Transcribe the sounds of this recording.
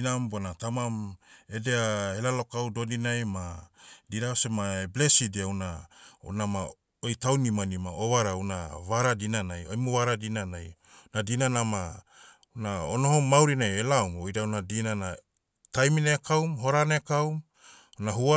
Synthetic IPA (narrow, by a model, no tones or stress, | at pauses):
nambonatamamedeahelalo̞kawdodinajmadiɾaosemaeblesideauna̰nama | ojtawnimanimaoβaɾawnaβaɾadinanajojmuβaɾadinanaj | nadinanama | naonoɦomawɾinajelawmojdawnadinana | tajminekawmɦo̞ɾanekawm | nahua